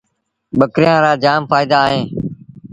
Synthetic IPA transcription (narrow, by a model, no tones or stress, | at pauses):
ɓəkɾɪjãːɾaːd͡ʒaːmfaːɪd̪aːɦẽː